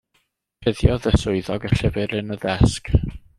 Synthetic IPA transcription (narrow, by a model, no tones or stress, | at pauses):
pʰɪðjɔðəsʊɨðɔɡəɬɪvɨɾɪnəðɛsk